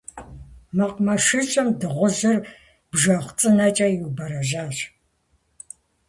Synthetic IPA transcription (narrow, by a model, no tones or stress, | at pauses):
mɐqmɐʃɨt͡ʃʼɐmdɨʁʷʊʑɨr | b̥ʒɐχʷt͡sʼɨnɐt͡ʃʼɐjuwbɐɾɐʑaːɕ